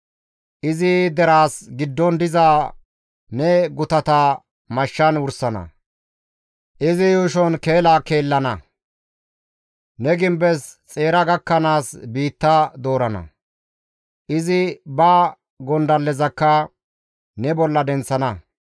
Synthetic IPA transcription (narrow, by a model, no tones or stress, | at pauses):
ʔɪzɪd̪ɛɾaːsɡɪd̪ːɔnd̪ɪzaː | nɛɡʊt̪ɐt̪a | mɐʃːɐnʊɾsɐnɐ̰ | ʔɪzɪjuːʃɔnke̞ːlaːke̞ːlːɐnɐ | nɛɡɪmbɛst͡sʼe̞ːɾɐɡɐkːɐnaːsbiːt̪ːɐd̪o̞ːɾɐnɐ̰ | ʔɪzɪbɐ | ɡɔnd̪ɐlːɛzɐkːɐ | nɛbɔlːɐd̪ɛnt͡sːɐnɐ